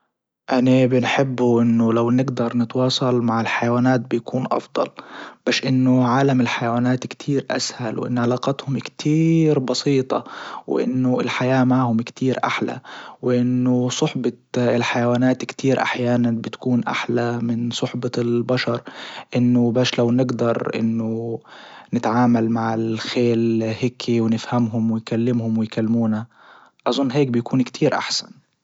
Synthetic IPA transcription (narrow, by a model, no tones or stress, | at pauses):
ʔanabɪnħɪbːuʔɪnːʊlawnɪɡd̪ɑɾˤnɪt̪wɑːsˤɑlmaʕɪlħajawaːnaːt̪̚bɪjakuːnʔɑ̰fd̪ˤɑ̰lb̥aːʃʔɪnːʊʕaːlamɪlħajawaːnaːt̪kt̪ʰiːɾʔa̰shalwʔɪ̰nːʕalaːqat̪hʊmkt̪ʰiːɾbɑsˤiːt̪ˤɑ̰w̰ʔɪ̰nːʊɪlħajaːmaʕhʊmkt̪ʰiːɾʔa̰ħla̰wɪʔɪnːʊsˤʊħbɑɪlħajawaːnaːt̪kt̪ʰiːɾʔa̰ħjaːnanbɪt̪kuːnʔa̰ħlamɪnsˤʊħbɑlbaʃɑɾˤʔɪnːʊbaːʃlawnɪɡd̪ɑɾˤʔɪ̰nːʊ | nɪt̪ʕaːmalmaʕɪlxeːlhɪkʰiwnɪfhamɦʊmwɪjkalːɪmhʊmwɪjkalːmuːna | ʔɑzˤʊnːɦeːk̚bɪjkuːnkt̪ʰiːɾʔa̰ħsan